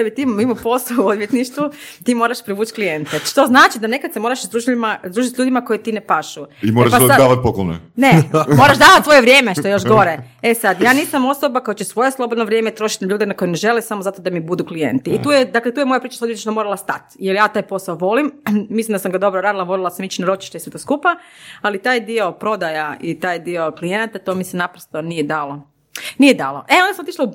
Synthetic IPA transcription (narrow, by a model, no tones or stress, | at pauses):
d̥̪abit̪immimopo̞saood̪ʋjet̪niʃt̪ʋut̪iːmo̞ːɾaʃpɾiʋuːt͡ʃklijent̪eʃt̪o̞znaːt͡ʃid̪ane̞kad̪semoɾaʃzd̪ɾuːʒmazd̪ɾuːʒit̪ʲʎʲuːd̪imakojet̪iːnepaʃuimoɾapaoad̪aːʋat̪̚poklonḛnemoɾaʃd̪aːʋat̪ʋoje̞ʋɾjeːmeʃt̪ojoʃ̬ɡo̞ɾe | esad̪jaːniːsamo̞sobakojat͡ɕesʋojeslˠobod̪noʋɾjemet̪ɾo̞ʃi̥t̪naʎʲuːd̪enako̞jeneʒe̞lesamozat̪o̞d̪amibud̪uklije̞̰nt̪iːt̪uːjed̪aklet̪uːjemo̞japɾiːt͡ʃḁsojet͡ʃnomoːɾalˠast̪at̪jeljaːt̪aːjpo̞saoʋo̞limmislimd̪asamɡad̪o̞bɾoɾaːd̪ilaʋo̞lilˠasamit͡ɕinaɾo̞t͡ʃi̥ʃt̪eiset̪oskupaalit̪aːjd̪io̞pɾo̞d̪ajait̪aːjd̪io̞klijenat̪at̪o̞misɛnapɾost̪o̞nijed̪aːlˠo | nijɛd̪a̰ːlˠo̰ʔeond̪asamot̪iʃlau